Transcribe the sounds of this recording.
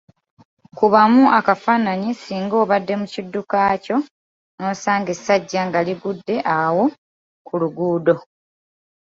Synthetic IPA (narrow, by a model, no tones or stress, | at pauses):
kuβamuʔakafaːnaɲisiːŋɡo̞ːβadːe̞mucidːukaːco̞ | no̞ːsaːŋɡe̞saɟːaŋɡaliβudːe̞ʔawo̞ | kʰuluɡuːdo̞